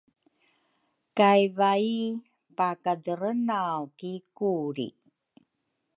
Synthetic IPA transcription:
kajvai | pakadəɾənawkikuɾḭ

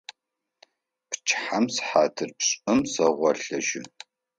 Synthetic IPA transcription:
pʰt͡ʃʰħamsħaːtʰɨrpɕʼɨmsɐʁʷɔɬɐʒɪ

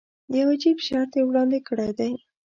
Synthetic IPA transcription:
jawad͡ʒibʃaɾt̪ewɽɑnd̪ekəɽajd̪aj

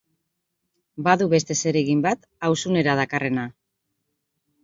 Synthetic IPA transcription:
baðuβe̞st̪e̞se̞ɾe̞ɣimbat̪ | awsune̞ɾaðakarʔe̞na

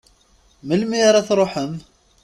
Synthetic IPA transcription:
məlmiaɾaθɾˤoħəm

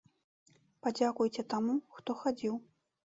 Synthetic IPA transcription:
pad͡zʲakujt͡sʲɛt̪amuxt̪ɔxad͡zʲiw

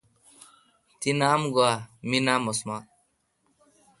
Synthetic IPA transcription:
t̪inamɡɔaminamɔsmat̪

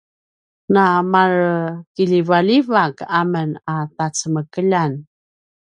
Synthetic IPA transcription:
namaɾkiʎivalivakamənatat͡səməkəʎan

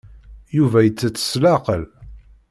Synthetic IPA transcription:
juvæjət͡sːæt͡sːə̥slɑqəl

